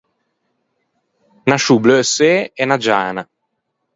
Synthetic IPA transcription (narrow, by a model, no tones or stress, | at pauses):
naʃubløseːɛnad͡ʒaːna